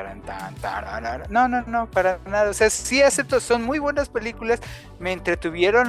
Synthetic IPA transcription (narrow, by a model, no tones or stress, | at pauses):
aɾa̰nt̪a̰nt̪a̰ɾa̰ɾa̰ɾno̞nonopaɾanaðaose̞asiaset̪oso̞nmujβwe̞naspe̞likulas | meːnt̪ɾe̞t̪uβje̞ɾon